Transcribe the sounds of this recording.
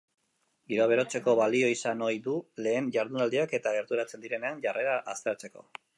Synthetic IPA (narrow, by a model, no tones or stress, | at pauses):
ɡiɾo̞aβ̞e̞ɾo̞t͡se̞ko̞βalio̞isano̞jðule̞ːnʝaɾðunald̪iake̞t̪aɣe̞ɾðuɾat͡se̞nd̪iɾe̞ne̞anʝare̞ɾaʔast̪eɾt͡se̞ko̞̰